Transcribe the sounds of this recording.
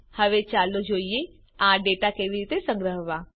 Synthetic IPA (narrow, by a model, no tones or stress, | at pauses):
həʋeːt͡ʃaːlod͡ʒoːieː | ãːɖeːʈaːkeʋiɾiːt̪esə̃ŋɡɾəɦʋãː